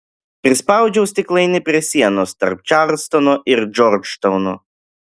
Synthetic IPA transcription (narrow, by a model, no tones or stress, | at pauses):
pʲɾʲɪspaʊd͡ʒʲɛwsʲt̪ʲɪklˠɐɪnʲɪpʲɾʲɛsʲiɛnɔst̪ɐ̰ɾp̚t͡ʃaɾlˠst̪ɔnɔʔɪɾd͡ʒɔɾt͡ʃʃt̪ɔʊnɔ